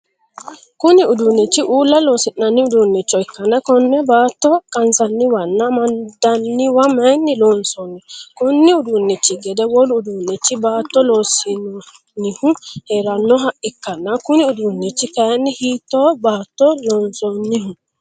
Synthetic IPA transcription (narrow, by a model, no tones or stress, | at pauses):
kʊnɪʊd̪unːɛt͡ʃːɪʔuːlːɐloːsɪnːɐnːɪʊd̪unːɛt͡ʃːɔɪkːɐnɐkɔnːɛbaːt̪ːɔkʼɐnsɐnːɪwɐnːɐmɐnd̪ɐnːɪwɐmɐjnːɪloːnsɔnːɛkɔnːɪʊd̪unːɛt͡ʃːɪɡɛd̪ɛwɔlʊʊd̪unːɛt͡ʃːɪbaːt̪ːɔloːsɪnɔ | nːɪhʊheːɾɐnːɔɦɐʔɪkːɐnːɐkʊnɪʊd̪unːɛt͡ʃːɪkɐjɐnːɪhiːt̪ːobaːt̪ːɔloːnsɔnːɪhʊ